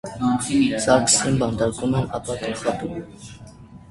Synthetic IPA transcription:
sɑɾkʰsinbɑnd̪ɑɾkumɛnɑ̰pɑkənχɑt̪um

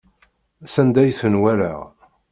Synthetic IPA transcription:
sænd̪æjθənwælæ̰ʁ

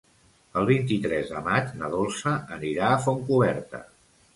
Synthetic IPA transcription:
əlˠβ̞int̪it̪ɾɛzðəmad͡ʒnəðolˠsəːniɾaːfoŋkuβɛɾt̪ə̰

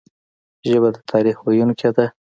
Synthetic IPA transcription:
ʒəbad̪ət̪ʰɑɾixwajunkad̪a

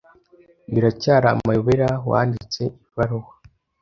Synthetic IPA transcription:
βiɾacaːɾa̰ːmajoβeɾawa̰ːndit͡se̞ivaɾowa

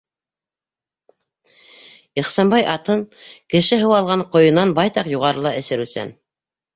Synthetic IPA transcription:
iχsɑnbɑjʔɑt̪ɤŋkɘ̆ʃɘɦɤ̆wɑlˠʁɑɴqŏjɤ̆nɑnbɑjt̪ɑqjuʁɑɾɤlˠɑʔɘ̆ʃɘ̆ɾʉsæ̰n

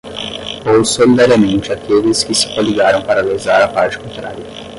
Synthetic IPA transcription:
owsolid̪aɾiɐmẽnt͡ʃɪakelɪskɪsɪ̥koliɡaɾɐ̃w̃paɾɐlezaɾɐapaɾt͡ʃɪ̥kõnt̪ɾa̰ɾjɐ

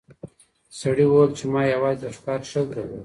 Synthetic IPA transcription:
saɽiwəwlt͡ʃemɑjawɑːzd̪aʂkɑːɾʂəkawi

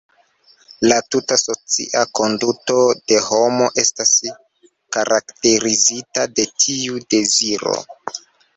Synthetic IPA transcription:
latutaso̞t͡sḭʔako̞nduto̞d̥e̞ho̞mo̞ʔe̞stas | kaɾʔakte̞ɾizitade̞tʰiude̞ziɾo̰

